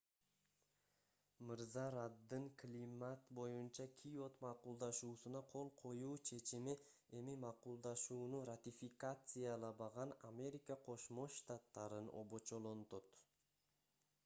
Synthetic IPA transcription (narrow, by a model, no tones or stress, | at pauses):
mɨɾzɑɾɑd̪ːɯŋklʲimat̪bo̞junt͡ʃɑkʲʰijo̞t̪mɑqulˠd̪ɑʃuːsunɑqʰo̞lˠqʰo̞juːt͡ʃʰe̞t͡ʃimi | e̞mimɑqulˠd̪ɑʃuːnurat̪ʲifʲikat̪sɨjalˠɑbɑʁɑnamʲe̞ɾʲikəqʰo̞ʃmo̞ʃt̪at̪ːɑɾɯno̞̰bo̞t͡ʃo̞lˠo̞nt̪o̞t̪